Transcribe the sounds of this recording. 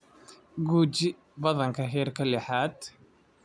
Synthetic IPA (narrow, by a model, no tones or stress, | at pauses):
ɡuːt͡ʃɪ | bɐðɐŋkʰɐɦɛːrkʰɐlɛħaːd̪